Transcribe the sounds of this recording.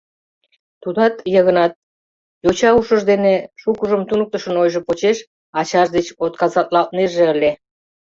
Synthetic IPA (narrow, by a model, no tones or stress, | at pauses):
t̪ud̪ɑt̪jəɣə̆nɑt̪̚ | jot͡ɕɑuʃə̆ʒd̪eneʃukəʒəmt̪unək̚t̪əʃənojʒə̆pot͡ɕeʃ | ɑt͡ɕɑʒd̪et͡ɕot̪̚kɑzɑt̪̚lɑlt̪̚nerʒeəle